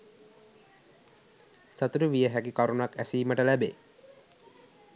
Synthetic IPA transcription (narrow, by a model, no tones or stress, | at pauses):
sat̪uɾiʋijəɦækikaɾunuakæsiːməʈəlæbeː